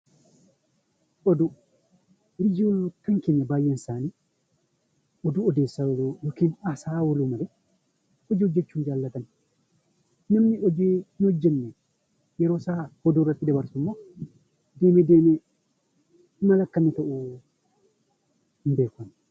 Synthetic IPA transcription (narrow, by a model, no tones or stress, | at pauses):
ʔɔdu | ɾid͡ʒiɔnkaŋkɛɲabajɛnsani | ʔɔduɔdɛsawlɔjɔkinasawolumalɛ | ʔɔd͡ʒɛd͡ʒet͡ʃːund͡ʒalːatan | namːiʔɔd͡ʒɛnɔd͡ʒːɛnːɛ | jɛɾɔsahɔduɾatːidɛbaɾsumːa | dɛmɛdɛmɛ | malakːanɛtɔʔɔ | mbɛkɔn